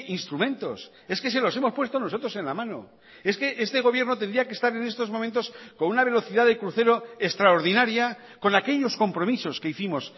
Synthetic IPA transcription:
inst̪ɾumẽ̞nt̪o̞̰s | e̞ske̞s̬e̞lo̞semospwe̞st̪ono̞so̞t̪ɾo̞senlamãno̞̰ | e̞ske̞ʔest̪e̞ɣ̞o̞β̞je̞ɾnot̪end̪ɾiakest̪aɾe̞nest̪o̞zmomẽnt̪o̞skonunaβ̞e̞lo̞θiðaðekɾuθe̞ɾo̞est̪ɾaoɾð̞inaɾja | ko̞nake̞ʎo̞sko̞mpɾo̞miso̞ske̞iθimo̞s

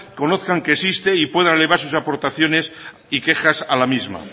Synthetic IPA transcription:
ko̞noθkaŋkeːsist̪eipwe̞ð̞aneleβ̞aɾsusapo̞ɾt̪aθjo̞ne̞s | ike̞xasalamizma̰

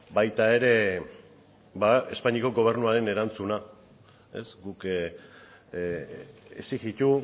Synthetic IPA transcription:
bajt̪ae̞ɾe̞ | bae̞spaɲiko̞ɡo̞β̞e̞rnuaɾe̞ne̞ɾant͡suna | e̞sɡuk | ḛsiɣit̪u

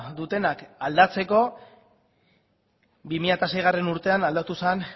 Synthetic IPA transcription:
d̪ut̪e̞nakald̪at͡se̞ko̞ | bimiʎat̪ase̞jɣ̞are̞nuɾt̪e̞anald̪at̪usan

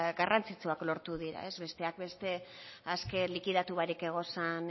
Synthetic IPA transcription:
ɡarant͡sit͡suaklo̞ɾt̪uðiɾa̰e̞zβe̞st̪e̞ak̚be̞st̪e̞ | aske̞likiðat̪uβaɾike̞ɣ̞o̞san

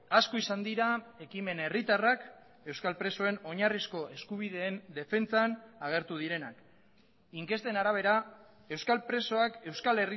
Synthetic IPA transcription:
askoisand̪iɾae̞kime̞nerit̪arak | e̞wskalpɾe̞so̞e̞no̞ɲarisko̞ʔe̞skuβ̞iðe̞ːnd̪e̞fe̞nt͡sanaɣ̞e̞ɾt̪uð̞iɾe̞nak | iŋke̞st̪e̞naɾaβ̞e̞ɾa | e̞wskalpɾe̞so̞ake̞wskale̞ri

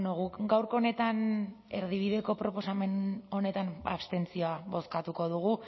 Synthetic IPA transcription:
noɣukɡawɾko̞ːne̞t̪an | e̞ɾðiβ̞iðe̞ko̞pɾo̞po̞same̞no̞ne̞t̪ana̰βst̪e̞nt͡sioaβo̞skat̪uko̞ð̞uɣ̞u

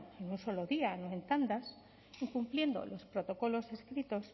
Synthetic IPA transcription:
enunso̞loðianoe̞nt̪and̪as | iŋkumplje̞nd̪o̞̰lo̞spɾo̞t̪o̞ko̞lo̞se̞skɾit̪o̞s

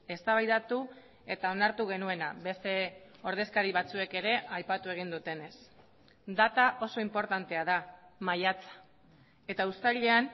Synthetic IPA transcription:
e̞st̪aβajðat̪u | e̞t̪ao̞naɾt̪uɣ̞e̞nue̞naβe̞st̪e̞o̞ɾð̞e̞skaɾiβat͡sue̞ke̞ɾe̞ʔajpat̪ue̞ɣ̞ind̪ut̪e̞ne̞s | d̪at̪aʔo̞so̞impo̞ɾt̪ant̪e̞aðamajat͡sḁ | e̞t̪aust̪aʎe̞an

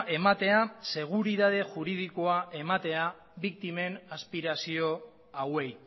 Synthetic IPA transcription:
ʔe̞mat̪e̞ase̞ɣ̞uɾiðað̞e̞ʝuɾið̞iko̞aʔe̞mat̪e̞a | βik̚t̪ime̞naspiɾasio̞ | awe̞j

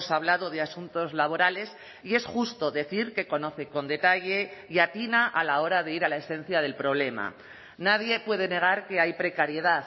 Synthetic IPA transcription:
saβlaðo̞ð̞e̞asunt̪o̞zlaβ̞o̞ɾale̞s | ie̞sxust̪o̞ðe̞θiɾke̞ko̞no̞θe̞ko̞nd̪e̞t̪aʝe̞iat̪inaʔalao̞ɾaðe̞iɾalae̞sẽ̞n̟θjað̞e̞lpɾo̞β̞le̞ma̰ | naðje̞pwe̞ð̞e̞ne̞ɣ̞aɾke̞ajpɾe̞kaɾje̞ða

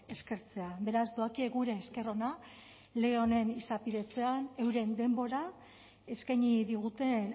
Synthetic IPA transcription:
e̞ske̞ɾt͡se̞abe̞ɾazd̪oakieɣuɾe̞ːske̞ro̞na | le̞ɣe̞o̞ne̞nisapiðe̞t͡se̞ane̞wɾe̞nd̪e̞mbo̞ɾa | e̞skajɲiðiɣ̞ut̪e̞n

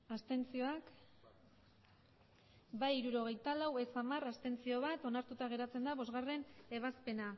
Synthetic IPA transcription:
ast̪e̞nt͡sio̞ak | bajiɾuɾo̞ɣ̞e̞jt̪alawe̞samarast̪e̞nt͡sio̞βat̪o̞naɾt̪ut̪aɣ̞e̞ɾat͡se̞nd̪aβo̞zɣare̞ne̞β̞aspe̞na

